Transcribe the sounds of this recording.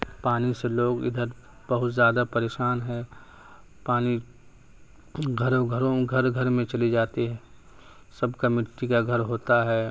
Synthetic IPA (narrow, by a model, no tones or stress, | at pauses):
paːniseloːɡɪ̰d̪ʱəɾ | b̥ɐɦʊt̪zjaːd̪apɐɾeːʃaːnɦɛ̃ː | paːni | ɡʱɐɾoɡʱɐɾõɡʱɐɾɡʱɐɾmẽt͡ʃɐlid͡ʒaːt̪iɦɛ̃ː | sɐbkamɪʈːikaɡʱɐɾɦoːt̪aɦɛː